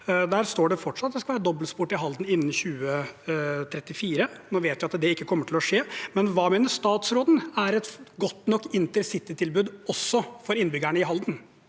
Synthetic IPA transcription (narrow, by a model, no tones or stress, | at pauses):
d̪æːɾst̪oːɖɛfɔʈʂɑt̪d̪ɛskɑʋæːɾəd̪ɔbəlspuːʈɪɦɑld̪n̩ɪnːn̩çʉːə | t̪ʰɾɛt̪ːɪfiːɾənoːʋeːt̪ʋɪɑt̪d̪ɛɪkːəkʰɔmːəʈʰɪlɔʂeːmɛnʋɑːmeːnəʂt̪ɑːt̪sɾoːd̪n̩æɾɛt̪ɡɔt̪ːnɔkːɪnt̪əɾsɪt̪ːɪt̪ʰɪlbʉːd̪ɔsːɔfɔɾɪnbʏɡæɳəɪɦɑld̪n̩